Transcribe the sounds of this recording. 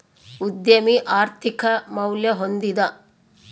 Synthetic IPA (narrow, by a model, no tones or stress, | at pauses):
ud̪jɐmiʔaːɾt̪ʰikɐmɐwljɐɦond̪id̪ɐ